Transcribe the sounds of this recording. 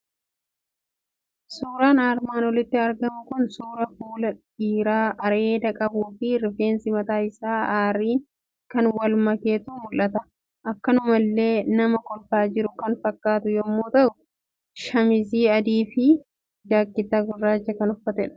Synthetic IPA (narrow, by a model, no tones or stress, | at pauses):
suːɾaːnaːɾmaːnwɔlɪt̪ːɪɐɾɡɐmʊkʊnsuːɾɐfuːlɐ | iːɾaːʔɐɾe̞ːd̪ɐkʼɐbuːfɪɾɪfe̞ːnsɪmɐt̪aːɪsaːaːɾiːŋ | kɐnwɐlmɐke̞ːt̪uːmʊlːɐt̪ɐ | ʔɐkːɐnʊmɐlːe̞ːnɐmɐkɔlt̪aːd͡ʒɪɾʊkɐnfɐkːaːt̪ʊjɔmːoːt̪ɐʔʊ | ʃɐmɪziːɐd̪iːfɪ | d͡ʒaːkːɪt̪ːaːɡʊrːaːd͡ʒɐkɐnʊfːɐt̪ɛᶑɐ̥